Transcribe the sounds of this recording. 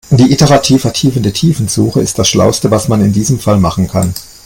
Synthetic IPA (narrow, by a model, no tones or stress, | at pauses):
d̥iːʔɪtəʁatʰiːfɛɐtʰiːfəndətʰiːfn̩zuːxəɪst̚d̥asʃla̰ʊstəvasmanɪndiːzəmfalmaχn̩kʰa̰n